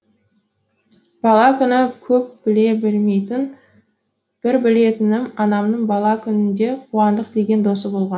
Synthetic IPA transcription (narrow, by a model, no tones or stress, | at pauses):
b̥ɑlˠɑkʲʰʏnɪkʲʰɵp̚b̥ɪle̞bɪlme̞jt̪ɪn | b̥ɪɾbɪle̞t̪ɪnɪmɑnɑmnəɴbɑlˠɑkʲʰʏnɪnd̪e̞qʰuwɑnd̪əqd̪e̞ɡʲe̞nd̪o̞səbo̞lˠʁɑn